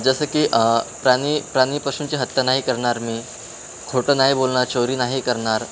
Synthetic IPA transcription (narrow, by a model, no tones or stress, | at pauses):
d͡zəsəːkiːʔpɾanipɾañiːpəksunt͡ɕiːɦət̪ːjanaɦikəɾɳaɾmiː | kʰoʈəːnaɦibolɳaɾt͡ɕoɾiːnaɦikəɾɳaɾ